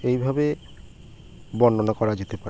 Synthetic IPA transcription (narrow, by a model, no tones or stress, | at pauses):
ejbʱabe | bɔnːonakɔɾad͡ʑet̪epaɾe